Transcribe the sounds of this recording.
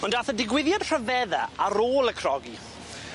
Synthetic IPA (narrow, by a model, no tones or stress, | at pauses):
ɔndaθədɪɡwɪðjad̥r̥əvɛðaaɾoːlˠəkʰrɔɡi